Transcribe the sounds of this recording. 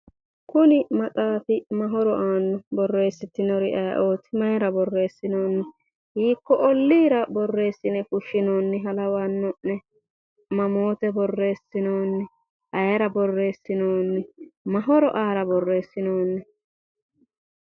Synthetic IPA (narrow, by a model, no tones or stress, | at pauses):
kʊnɪmɐt͡sʼaːfɪmɐɦɔɾɔʔaːnːɔbɔrːe̞ːsːɪt̪ːɪnɔɾɪʔɐj̰ʔo̞ːt̪ɪmɐjɾɐbɔrːe̞ːsːɪnoːnːɛ | hiːkːɔʔɔlːiːɾɐbɔrːe̞ːsːɪnɛfʊʃːɪnoːnːɛɦɐlɐwaːnːɔʔnɛ | mɐmoːt̪ɛbɔrːe̞ːsːɪnoːnːɛ | ʔɐjɛɾɐbɔrːe̞ːsːɪnoːnːɛmɐɦɔɾɔ̰ʔaːɾɐbɔrːe̞ːsːɪnoːnːɛ